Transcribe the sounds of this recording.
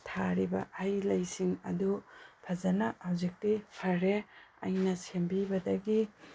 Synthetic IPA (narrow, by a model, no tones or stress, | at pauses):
tʰaɾibɐ̰ʔajlɐjsiŋɐ̰dupʰɐzɐnɐhawzik̚tipʰɐɾeɐ̰jnɐsembibɐdɐɡi